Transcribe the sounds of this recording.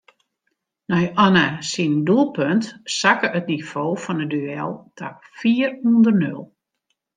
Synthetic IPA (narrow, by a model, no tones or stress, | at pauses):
nɔjɔnasindulˠpøntsakəətnifoːfɔnədyɛ̰lˠtʰafiːərhundərnø̰lˠ